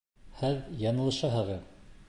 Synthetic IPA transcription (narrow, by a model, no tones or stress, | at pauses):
hɘðjɑnɤ̆lˠɤ̆ʃɑɦɤ̆ʁɤð